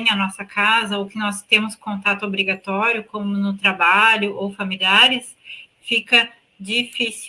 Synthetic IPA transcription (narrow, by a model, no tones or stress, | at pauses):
ɐnɔsɐkazɐʊkɪnɔst̪ẽmʊskõnt̪at̪ʊobɾiɡat̪ɔɾjʊkõmʊnʊt̪ɾabaʎʊʔowfamiliaɾɪs | fikɐ | d͡ʒifis